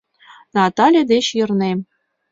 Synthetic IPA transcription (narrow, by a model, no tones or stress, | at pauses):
nɑt̪ɑlʲjed̪eɕjɤ̆rne